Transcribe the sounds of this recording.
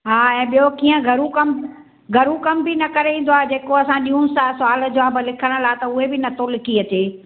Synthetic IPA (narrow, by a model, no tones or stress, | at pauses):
ɦaːɛ̃ːɓijokiːə̃ɡʱɐɾũkɐm | ɡʱɐɾũkɐmbɪnɐkɐɾeʋĩːn̆d̪oaːɦd͡ʑeːkoɐsãɗiːũsasʊaːl̆d͡ʑoãbɪlɪkʰəɽ̃ə̆laːɦet̪ɐʊɦebɪnɐt̪ʰolɪkʰiɐt͡ɕeː